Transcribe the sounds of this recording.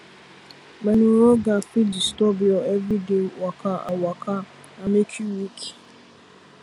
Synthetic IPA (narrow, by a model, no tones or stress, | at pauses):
menuɾoɡafidstɔbiɔevɾidewakaa̰waka | amet͡ʃiwik